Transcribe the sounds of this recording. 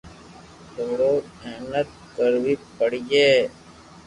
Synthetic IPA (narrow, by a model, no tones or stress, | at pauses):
t̪əmɾoːeɦnət̪̚ | kəɾʋipəɽd͡ʒeː